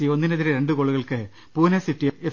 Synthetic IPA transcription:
io̞nːineðiɾeɾe̞ɳɖɨkoɭːuɣɐɭkɨ | puːnɐsiʈːie

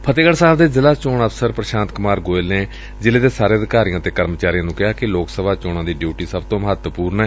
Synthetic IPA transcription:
pʰət̪eːɡəɽsaːbd̪eːzɪlaːt͡ʃoːɳəfsəɾpɾəʃãːnt̪̚kʊmaːɾɡoːelneː | d͡ʒɪleːd̪eːsaːɾeːəd̪ɪkaːɾijãːt̪eːkəɾmt͡ʃaːɾijãːnũːkɪɦaːkɪloːksəbaːt͡ʃoːɽãːd̪iːɖjuːʈiːsəbt̪õːməɦət̪puːɾnɛː

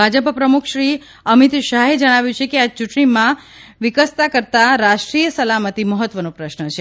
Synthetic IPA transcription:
bʱad͡ʒəppɾəmukʰʃɾi | əmit̪ʃaɦed͡ʒəɽ̃aʋjũt͡ʃʰekeat͡ʃuʈɳimã | ʋɪkəst̪akəɾt̪aɾaʃʈɾijəsəlamət̪iməɦət̪ʋənopɾəʃnət͡ʃʰe

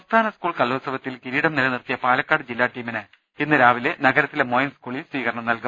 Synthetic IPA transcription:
ɐmst̪ʰaːnɐskuːɭkɐlːoːsɐʋɐt̪ːilkiɾiːɽɐmnilɐnirt̪ijɐpaːlɐkːaːɽɨd͡ʑilːaːʈːiːminɨ | enːɨɾaːʋile̞nɐɡɐɾɐt̪ːilemoːjnskuːɭilsʋiːɣɐɾɐɳɐmnɐlku

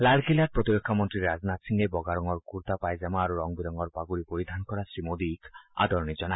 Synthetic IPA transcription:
lalkʰilaɾpɾot̪iɾekʰːamɔnt̪ɾiɾad͡ʒnat̪siŋɡebɔɡaɾɔŋɔɾkuɾt̪apajd͡ʒamaːɾuɾɔŋbiɾɔŋɔɾpaɡuɾipoɾid̪ʱankɔɾasɾimod̪ika̰d̪ɔɾnid͡ʒɔna

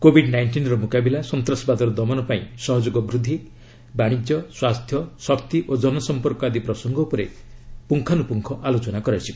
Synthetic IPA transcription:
kobʱiɖnajɳʈinɾɔmukabilasɔnt̪ɾɔsɔbad̪ɔɾɔd̪ɔmɔnɔpaĩsɔɦɔd͡ʒoɡɔbɾud̪ʱːi | baɽ̃id͡ʒjɔswast̪ʰjɔsɔkt̪iʔod͡ʒɔnɔsɔmpɔɾkɔad̪ipɾɔsɔŋɡɔupɔɾḛpuŋkʰanupuŋkʰɔʔalot͡ʃɔnakɔɾat͡ʃʰi

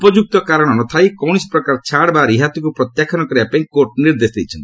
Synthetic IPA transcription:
upɔd͡ʒuk̚t̪ɔkaɾɔɽ̃ɔnɔt̪ʰajkɔwɽ̃ispɾɔkaɾt͡ʃʰaɽbaɾiɦat̪ikupɾɔt̪jakʰɔnɔkɔɾiapãĩkoɾʈniɾd̪esd̪ejt͡ʃʰɔnt̪i

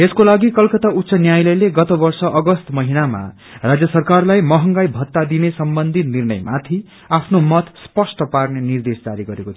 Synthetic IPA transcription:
eskolaɡikʌlkʌt̪aut̪ːsʌnjajlʌjleɡʌt̪ʌbʌrsʌʔʌɡʌst̪mʌɦinama̰ | rad͡zjʌsʌrkarlajmʌɦʌŋɡajbʱʌt̪ːad̪inesʌmbʌnd̪ʱit̪nirnʌ̰jmat̪ʰi | apʰnomʌt̪spʌsʈʌparnenird̪esd͡zaɾiɡʌɾekot̪ʰ

